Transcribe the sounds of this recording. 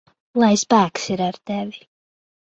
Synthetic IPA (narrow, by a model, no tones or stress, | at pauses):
lˠajspæːksiɾaɾt̪ɛvi